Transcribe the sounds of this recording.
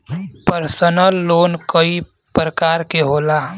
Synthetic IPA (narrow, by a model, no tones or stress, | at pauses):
pəɾsənəlːoːnkəi | pɾəkaːɾkeɦoːlaː